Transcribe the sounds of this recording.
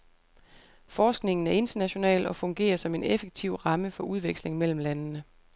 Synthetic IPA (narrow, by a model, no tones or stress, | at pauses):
fɒːsɡ̥ne̝ŋn̩æɐe̝nd̥ɐnæɕo̝nɛ̰ːlɒ̽fɔ̽ŋɡ̥e̝̰ːɐsɒ̽me̝nefeɡ̥̚t͡sʰiʊ̰ʁɑ̈məfɒ̽ʔuð̞ˠʋeɡ̥sle̝ŋmel̰m̩lænnə